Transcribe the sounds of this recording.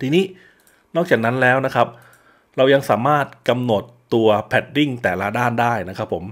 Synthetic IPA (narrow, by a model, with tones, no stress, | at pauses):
t̪ʰiː˧niː˦˥ | nɔ˥˩k̚t͡ɕaː˨˩k̚na˦˥nlɛː˦˥wna˦˥kʰa˦˥p̚ | ɾa˧wja˧ŋsaː˩˦maː˥˩t̪̚ka˧mno˨˩t̪ːu˧ɐpʰɛ˨˩t̪̚ɾi˥˩ŋt̪ɛː˨˩la˦˥daː˥˩ndaː˥˩jna˦˥kʰɾa˦˥pʰːo˩˦m